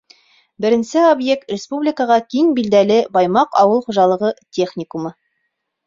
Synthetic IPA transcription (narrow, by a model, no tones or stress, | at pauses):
bɘ̆ɾɘ̆nsɘobje̞k̚t̪rʲɪspublʲɪkəʁɑkiŋbild̪ælɘbɑjmɑqɑ̰wɤlˠχuʒɑlˠɤ̆ʁɤtʲʰeχnʲɪkumɤ